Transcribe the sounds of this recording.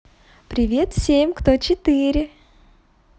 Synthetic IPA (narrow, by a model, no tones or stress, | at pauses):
pɾʲɪvʲe̞t̪fsʲemʲkt̪ot͡ɕɪt̪ɨɾʲɪ